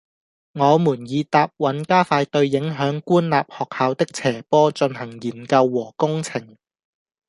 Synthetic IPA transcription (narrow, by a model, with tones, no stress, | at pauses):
ŋɔː˨˧muː˨˩njiː˨˧t̪aː˨p̚wɐ˨˥nkaː˥faː˧jt̪ɵ˧ɥːɪ˨˥ŋɦœː˨˥ŋkuː˥nla̰ː˨p̚hɔː˨k̚haː˨˧wt̪ɪ˥k̚t͡sʰɛː˨˩pɔː˥t͡ʃɵ˧nhɐ˨˩ŋjiː˨˩nkɐ˧wːɔː˨˩kʊ˥ŋt͡sʰɪ˨˩ŋ